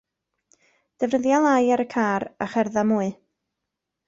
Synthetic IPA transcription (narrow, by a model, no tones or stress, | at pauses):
d̥ɛvnəðjalˠajaɾəkʰaːɾaχɛrðamuːɨ